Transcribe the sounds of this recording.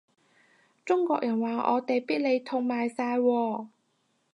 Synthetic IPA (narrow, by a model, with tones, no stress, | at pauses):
t͡sʊ˥ŋkʷɔː˧k̚jɐ˨˩nwaː˨˩ʔɔ̰ː˨˧t̪e˨jpiː˥t̚le˨˧jt̪ʰʊ˧ŋmaː˨jsaː˧jwɔː˧